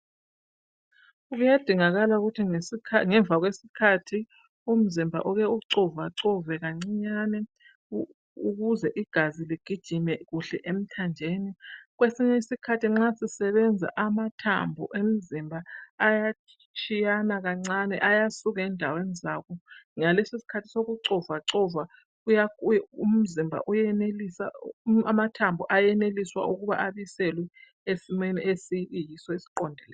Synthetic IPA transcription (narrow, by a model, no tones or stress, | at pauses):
uɣujad̥ʱiŋaɣalauɣutʰiŋeŋɛɱvʱaɣwesikʰatʰi | um̩zimbʱa̰ʔuɣɛuǀɔvaǀɔvɛɣaŋ͡ǀiɲanɛ | uɣuzɛʔiɡ̥ʱaziliɡ̥ʱid̥ʒ̥ʱimɛɣuɬɛʔem̩tʰand͡ʒʱeːniɣwesiɲɛisikʰatʰiŋ͡ǁasisɛβɛnd͡zʱa̰ʔamatʰa̰mbʱṵʔem̩zimbʱaːja | t͡ʃʼijanaɣaŋ͡ǀanɛʔajasuɣɛndʱawenzakɔŋalesisi̥kʰatʰi̥soɣuǀɔvaǀɔva | ujaum̩zimbʱa̰ʔujɛnelisaamatʰambʱɔʔajɛneliswa̰ʔuɣuβa̰ʔaβisɛlwɛ | esimeniʔesijisɔisi̥ǃɔndʱɛlɛː